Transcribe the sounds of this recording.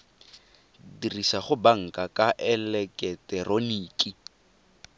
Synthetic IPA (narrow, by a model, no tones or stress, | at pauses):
dirisaχʊbaŋ̩kʼakʼaʔɛlɛkʼɛtʼɛroniːkʼi